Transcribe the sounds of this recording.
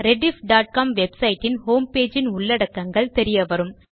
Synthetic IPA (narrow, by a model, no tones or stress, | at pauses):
ɾɛɖɪfɖaːʈ̚kaːmʋɛbsɐɪʈːɪnhoːmpeːd͡ʒɪnʊɭːɐɽɐkːɐŋɡɐɭt̪ɛɾɪjɐʋɐɾɯm